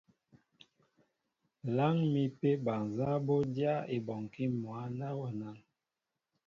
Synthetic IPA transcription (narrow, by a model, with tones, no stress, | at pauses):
la˦ŋmi˨pe˦ba˨n˨za˦bo˦dja˦e˨bɔ˨ŋ˨ki˦mwa˨˦na˦wɔ˦˨na˦n